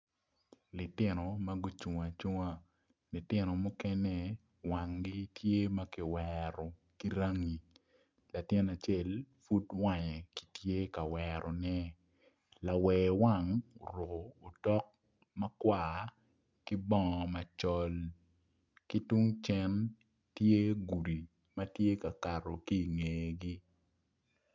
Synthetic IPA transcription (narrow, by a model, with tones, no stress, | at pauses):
lɪ˨tɪ˦no˨ma˦ɡu˦t͡ʃu˨ŋa˨t͡ʃu˦ŋa˦ | lɪ˨tɪ˦nɔ˨mɔ˦kɛ˦nɛ˦ | wa˨ŋɡi˦tje˦ma˦kɪ˨wɛɾɔ˨ | ki˦ɾa˦ŋi˨ | la˨tɪ˦na˨t͡ʃe˦˨lfu˦twa˨ɲɛ˨ki̥˦tje˦ka˨wɛɾʔɔ˨nɛ˦ | la˨wɛ˨wa˦˨ŋo˨ɾʊ˨koː˨tɔ˦k̚ | mɐ˦kwaː | ki˦bɔ˦˨ŋɔ˨mɐ˨t͡ʃɔ˦l | ki˦tu˦ŋt͡ʃɛ˦n | tje˦ɡu˨ɾi˨ | mɐ˦tje˦ka˨ka˨ɾo˨ki˦˨ŋe˨ɡi˦